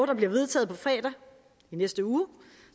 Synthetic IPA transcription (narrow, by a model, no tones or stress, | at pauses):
d̥ɐbliɐʋe̝ð̞ˠt͡sʰɛ̰ːð̩ˠpʰɒ̽fɛ̰ːd̥æ | inesd̥əuː